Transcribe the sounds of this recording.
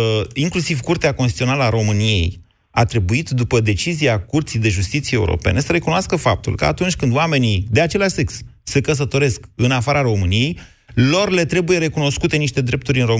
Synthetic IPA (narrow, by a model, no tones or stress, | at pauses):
iŋklusivkurt̪eakonst̪i̥t̪io̞naləaɾo̞mɨnije̞̰j | at̪ɾe̞buit̪d̪upəd̪e̞t͡ʃizijakurt̪sijd̪e̞ʒust̪it̪sijeṵɾo̰pe̞nesəɾe̞kunoaskəfa̰p̚t̪ṵlkəa̰t̪unt͡ʃʲkɨnd̪oame̞nid̪eat͡ʃe̞laʃʲse̞ksːekəs̬ət̪o̞ɾe̞skɨnafaɾaɾo̞mɨnije̞j | lo̞rle̞t̪ɾe̞buje̞ɾe̞kuno̞skut̪e̞niʃt̪e̞d̪ɾe̞p̚t̪uɾʲɨnro̞